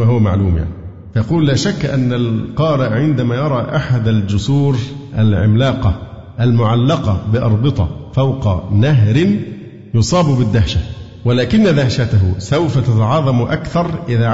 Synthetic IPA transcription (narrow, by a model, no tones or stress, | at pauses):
aːɦʊwama̰ʕluːmja̰ʕni | fjɑquːlːaːʃakːʔanːalqɑːɾɪʔʕɪnd̪amaːjɑɾˤɑːʔaħad̪ald͡ʒʊsuːɾʔalʕɪ̰mlɑːqɑ | ʔalmʊʕalːɑqɑbɪʔɑ̰ɾˤbɨt̪ˤɑ̰fawqɑnaɦɾɪn | jʊsˤɑːbbɪd̪ːahʃa | wɪlaːkɪnːad̪ahʃat̪aɦʊsawfat̪at̪ɑʕɑːðˤɑmʔakθɑɾˤʔɪðaː